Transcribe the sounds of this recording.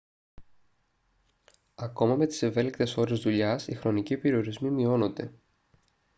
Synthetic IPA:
ɐko̞mɐme̞t̪i̥se̞ve̞likt̪e̞so̞ɾe̞zðuʎɐsixɾo̞nicipe̞ɾio̞ɾizmimio̞no̞nd̪e̞̰

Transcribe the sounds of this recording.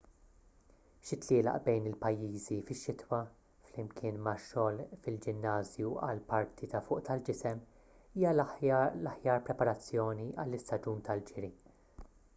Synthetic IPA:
ʃɪt̪lɪːlɐ̰ʔbɛjnɪlpɐjːiːzifɪʃːɪt̪wɐ | flɪmkʰɪːnmɐʃːɔːlfɪld͡ʒɪnːɐːzjuɐ̰lpɐɾt̪ʰit̪ɐfʊːʔt̪ɐld͡ʒɪsɛm | iːjɐlɐlɐħjɐːɾpɾɛpɐɾɐt͡sːjɔːniʔɐlːɪst̪ɐd͡ʒuːnt̪ɐld͡ʒɪɾi

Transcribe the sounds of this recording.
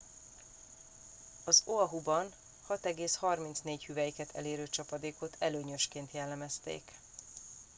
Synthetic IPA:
ɒzoɒɦubɒn | hɒt̪ɛɡeːshɒrmint̪sneːchyvɛjikɛt̪ʰɛ̰leːɾøːt͡ʃɒpɒd̪eːko̞t̪ʰɛløːɲø̞ʃkeːnt̪jɛlːɛmɛst̪ḛːk

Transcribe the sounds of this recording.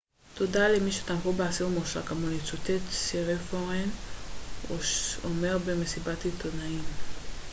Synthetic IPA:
t̪odalemiʃet̪amfobeasiʁmuʃa̰kamonit͡sut̪et̪siʁefoʁen | oʃome̞ʁbemesibatit̪onaim

